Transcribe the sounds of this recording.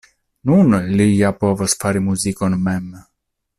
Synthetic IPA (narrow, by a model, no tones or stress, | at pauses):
nunlijapo̞vosfaɾimuzikonmɛm